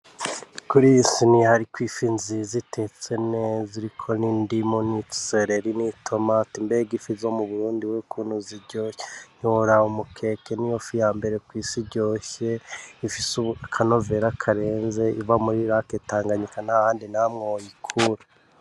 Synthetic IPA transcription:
kuɾisinihaɾikwiːfinzizite̞t͡seneziɾikʰo̞niːndimoni̥seɾeɾinitʰo̞matimbeɡifizo̞muβuɾuːndiwekʰuːnhuziɾɟoːçeɲ̥oɾaomukʰe̞ke̞nijofijaːmbe̞ɾe̞kwiːsiɾɟo̞ːçe̞ifisukʰano̞ve̞ɾakʰaɾe̞ːnze̞ivamuɾiɾaketaːŋɡaɲikanahaːndinamŋojikʰuɾa

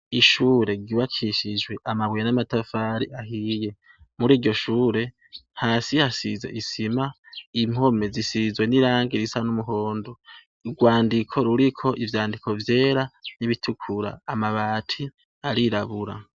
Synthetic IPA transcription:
iʃuːɾe̞ɡiwakʰiʃid͡ʒwe̞ʔamaβwijenamatafaːɾḭʔaɦije̞ | muɾiːɾɟo̞ʃuːɾe̞ | haːsihasizḛʔisima | im̥ho̞me̞zisizwe̞niɾaːŋɡiɾisanumuɦo̞ːndo | ɡwaːndikʰo̞ɾuɾikʰo̞ʔivjaːndikʰo̞vje̞ːɾaniβitʰukʰuɾa̰ːmaβaːtʰi | aɾiɾaβuɾa̰

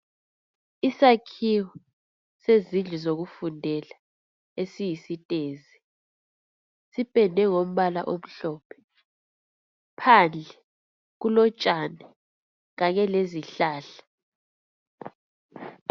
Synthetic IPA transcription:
isakʰiwɔ | sezind͡ɮʱizoɣufundʱɛla | esijisitʼeːzi | sipʼɛndʱɛŋom̩βala̰ʔom̩ɬɔːpʰɛ̥ | pʰand͡ɮʱɛ | ɣ̬ulɔt͡ʃʼanɛ | ɣaɲɛleziɬaːɬḁ

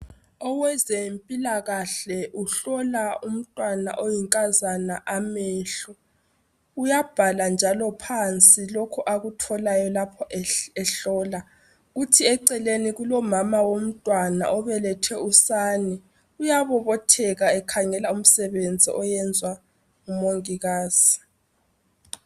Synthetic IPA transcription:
ɔwɛzempʼilaɣaɬɛʔuɬɔlaum̩tʼwana̰ʔojiŋkʼazanaʔamɛːɬɔ | ujab̥ʱaland͡ʒʱalɔpʰant͡sʼilokʰuʔaɣutʰɔlajɔlapʰɔʔɛɛɬɔla | ɣutʰiɛǀɛleniɣulɔmamawom̩tʼwana̰ʔɔβɛlɛtʰɛusanɛ | ujaβɔβɔtʰɛɣaɛkʰaŋɛlaum̩sɛβend͡zʱḭʔɔjɛnd͡zʱwa | ŋumoŋiɣaːz̥i̥

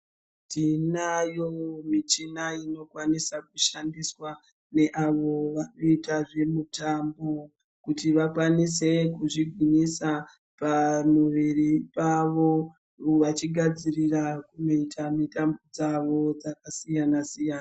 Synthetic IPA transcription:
tinajomit͡ʃinaino̞kwanisakuʃandiswa | ne̞ʔaʋo̞ʋano̞itaʐe̞mutambo | kutiʋakwanise̞kuʐiɡʱwiɲisa | pamuʋiripaʋo̞ | ʋat͡ʃiɡʱad͡zirirakuno̞itʰamitambod͡zaʋo̞d͡zakasijanasijaːna

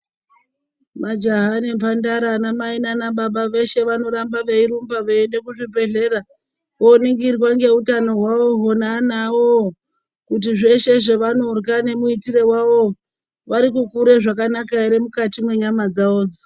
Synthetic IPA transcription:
mad͡ʒaɦanempandaɾanamainanaɓaɓaʋe̞ʃe̞ʋano̞ɾambaʋe̞iɾumbaʋeende̞kuʐibe̞ɮe̞ɾa | ʋoniŋɡirwaŋɡe̞utano̞ɦwaʋoɦonanawo | kut̬iʐe̞ʃe̞ʐeʋanorkane̞muitiɾewaʋo | ʋaɾikukuɾeʐakanakaiɾemukatimwe̞ɲamad͡zaoːd͡zi̥

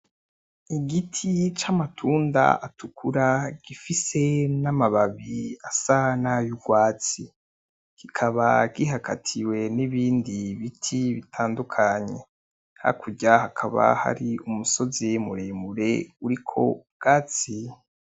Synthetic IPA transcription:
iɡitʰit͡ʃamatʰuːnda̰atʰukʰuɾaɡ̥ifise̞namaβaβiasanajuɡwaːt͡si | kikʰaβaɡiɦakʰa̰tʰiwe̞niβiːndiβitʰiβitʰaːndukʰaɲe̞̰ | ha̰kʰuɟahakʰaβa̰ha̰ɾiumuso̞zimṵɾemuɾe̞uɾikʰo̞̰b̚ɡ̥aːt͡si

